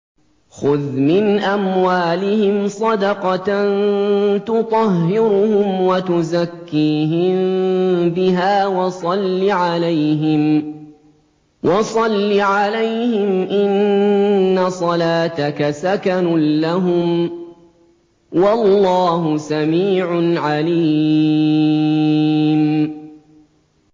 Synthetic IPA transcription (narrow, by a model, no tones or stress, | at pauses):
xʊðmɪnʔamwaːlɪhɪmsˤɑd̪ɑqɑnt̪ʊt̪ˤɑɦːɪɾʊhʊmwat̪ʊzakːiːɦɪmbɪɦaːwɑsˤɑlːiʕalajɦɪm | wʔɑsˤɑlːiʕalajhɪmʔɪnː | asˤɑlaːt̪akasakanʊlaɦʊm | wɑlˤːɑːɦʊsamiːʕʊnʕaliː | m